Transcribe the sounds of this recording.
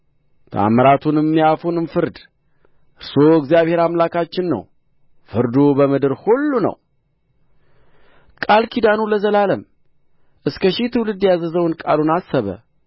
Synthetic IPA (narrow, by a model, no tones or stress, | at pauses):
t̪ʰa̰məɾat̪ʰunɨmːijafunɨmfɨɾd̪ | ʔɨɾso̞ɨɡzijaβhe̞ɾamlakat͡ʃːɪnːə̰w | fɨɾd̪obəmɨd̪ɨɾhulːunə̰w | kʼalkʰid̪anuləzəlaləm | ʔɨskʰəʃit̪ʰɨwlɨd̪jazəzəwɨnkʼalunasːəβə̰